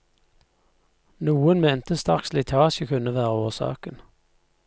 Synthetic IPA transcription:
nuːənmeːnt̪əst̪ɑ̰kslɪt̪ʰɑːʃəkʰʉnəʋæːʁəoːsɑ̰ːkən

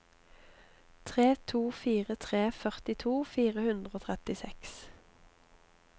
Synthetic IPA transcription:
t̪ʰʁeːt̪ʰuːfiːʁət̪ʰʁeːfœʁt̪ɪt̪ʰuːfiːʁəhʉnd̪ʁəoːt̪ʰʁɛt̪ɪsɛks

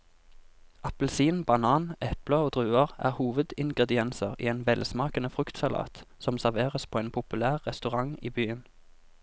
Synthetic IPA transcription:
ʔɑpəlsiːnbɑnɑːnʔɛpləoːd̪ʁʉːəʁæ̰ːʁhuːʋəd̪ɪŋɡʁɛd̪ɪɛnsəʁḭːeːnʋɛlsmɑːkənəfʁʉkt̪sɑlɑ̰ːt̪sɔmsæʁʋeːʁəspʰoːeːnpʰʊpʉlæːʁːɛst̪ʉʁɑŋḭːbyːən

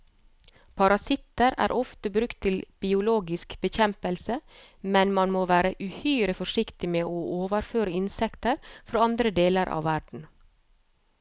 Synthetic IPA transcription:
pʰɑɾɑsɪt̪əɾæ̰ːɾʔɔft̪əbɾʉkt̪ʰːɪlb̥ɪʊloːɡɪskbəçɛmpəlsə | mɛnmɑnmoːʋæːɾəʔʉhœːɾəfɔʂɪkt̪ɪmeːʔoːʔoːʋəɾføːɾəɪnsɛkt̪əɾfɾoːɑnd̪ɾəd̪eːləɾʔɑ̰ːʋæɖɳ̩

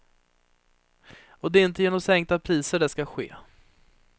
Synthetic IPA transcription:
ɔd̪ɛɪnt̪əjeːnɔmsɛŋkt̪apʰɾiːsəɖɛskaɧḛː

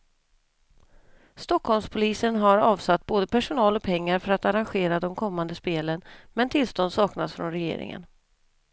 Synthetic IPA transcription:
st̪ɔkʰhɔlmspʰʊliːsənɦaɾɑːvsat̪ːboːd̪əpæʂʊnɑːlɔpʰɛŋːaɾfœɾat̪aɾanɧeːɾad̪ɔmkʰɔmːand̪əspeːlənmɛnt̪ʰɪlst̪ɔnd̪sɑːknasfɾɔ̰nɾɛjḛːɾɪ̰ŋə̰n

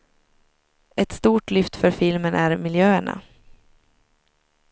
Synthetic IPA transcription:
ɛt̪st̪uːʈlʏft̪fœɾfɪlmənʔæɾmɪljøːəɳa̰

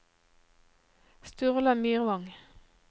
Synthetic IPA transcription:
st̪ʉʁlɑmyːʁʋɑŋ

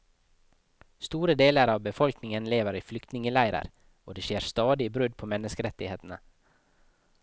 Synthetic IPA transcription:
st̪uːɾəd̪eːləɾɑːʋbəfɔlknɪŋənleːʋəɾiːflʏkt̪nɪŋəlæɪɾə̰ɾ | o̰ːd̪eːʃeːɾst̪ɑːd̪ɪːbɾʉd̪̚pʰoːmɛnəskəɾɛt̪ɪheːt̪nə

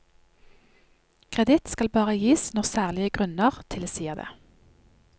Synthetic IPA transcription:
kʰʁɛd̪ɪt̪skɑlbɑːʁəjiːsnɔʁsæːʁlɪəɡʁʉnəʁt̪ʰɪleːsiːəʁd̪ḛː

